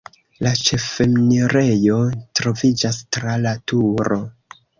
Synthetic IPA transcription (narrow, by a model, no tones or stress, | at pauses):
lat͡ʃe̞fe̞mniɾe̞jo̞tɾo̞vid͡ʒastɾalatuɾo̞